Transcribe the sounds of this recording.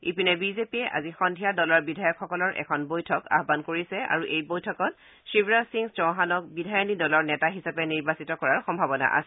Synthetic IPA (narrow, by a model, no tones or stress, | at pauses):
ipinɛbizepiɛʔa̰zixɔndʱijadɔlɔɹbidʱajɔkxɔkɔlɔɹʔɛ̰kʰɔnbojtʰɔka̰ɦbankoɹisɛa̰ɹuʔejbojtʰɔkɔt | sɹibɹasiŋsd͡ʒɔ̃ɦanɔk̚bidʱajɔnidɔlɔɹnɛtaɦisapɛniɹbasitɔkɔɹaɹxɔmbʱabɔna̰ʔa̰sɛ